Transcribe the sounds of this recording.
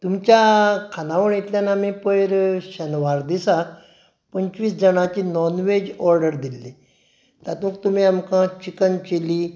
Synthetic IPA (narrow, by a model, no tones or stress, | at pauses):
t̪umt͡ɕjakʰanaʋəɳet̪ljanamĩpəjɾɕənʋaɾd̪isak | pəɲt͡ɕʋiːsd͡zəɳ̃at͡ɕiːnɔnʋed͡ʑɔɾɖəɾd̪ilːi | t̪at̪ũk̚t̪um̤iamkãt͡ɕikənkeliː